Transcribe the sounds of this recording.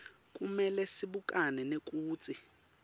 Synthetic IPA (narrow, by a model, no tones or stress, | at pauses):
k̬ʼumɛlɛsiɓukʼanɛnek̬ʼuːt͡sʼi